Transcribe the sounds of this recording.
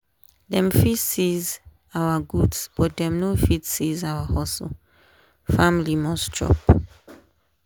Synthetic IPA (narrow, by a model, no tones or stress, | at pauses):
dɛ̃mfitsiz | awaɡudsb̥ɔt̚dɛ̃mnofitsizawahɔso̰ | fãmilimɔst͡ʃʰɹɔ̰p